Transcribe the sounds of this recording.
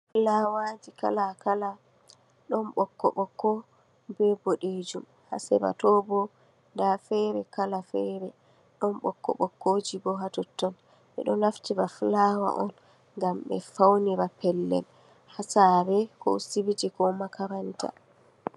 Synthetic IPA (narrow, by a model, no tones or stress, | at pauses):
flawad͡ʒika̰lakala | ɗɔmɓɔkːɔ̰ɓɔkːɔ | bɛbɔɗed͡ʒum | ha̰sɛba̰tɔbɔ | ndafɛɾɛkalafɛɾɛ | ɗɔnɓɔkːɔ̰ɓɔkːod͡ʒibɔɦatɔtːɔn | ɓɛ̰ɗɔnaftibaflawa̰ʔɔn | ŋɡamɓɛ̰fawniɾapɛlːɛ̰l | hasabɛkɔ̰sibitikɔmakaɾanta̰